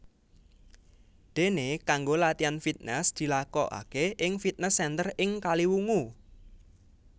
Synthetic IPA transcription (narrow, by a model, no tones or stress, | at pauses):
d̪̥e̤nekaŋɡolat̪ianfit̪̚nɛsd̪̥i̤lakɔ̰ʔa̰keʔɪŋfit̪̚nəsːɛnt̪ərɪŋkaliwuŋu